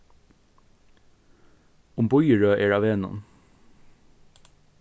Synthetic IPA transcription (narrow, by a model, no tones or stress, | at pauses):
ʊmbɔʏəɹøːʔeːɖɑːʋeːnɔ̰n